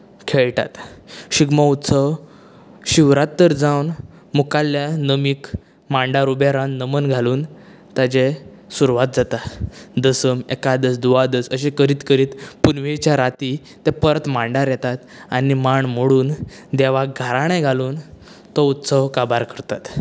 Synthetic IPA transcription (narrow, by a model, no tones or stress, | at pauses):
kʰeɭʈa̰t̪ɕiɡmaut̪səʋ | ɕiʋɾãt̪ːəɾd͡zawn | mukaljanəmik | maɳɖaɾubaɾãnnəmənɡʱaluːn | t̪ad͡ʑe | suɾuʋat̪̚d͡zat̪ad̪əsəmɛkad̪əsd̪uʋad̪əsəɕẽkəɾiːt̪kəɾiːt̪punʋet͡ɕjaɾat̪i | t̪ɛpəɾət̪maɳɖaɾjɛt̪at̪ | animaɳm̤əɽuːn | d̪ɛʋaɡʱaɾaɽ̃ẽɡʱaluːn | t̪ɔut̪səwkabaɾkəɾt̪at̪